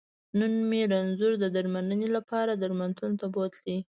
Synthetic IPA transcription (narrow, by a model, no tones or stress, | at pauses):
nənmeɾanzʊɾd̪əd̪aɾmanənelapɑɾad̪aɾmant̪ʰunot̪abot̪li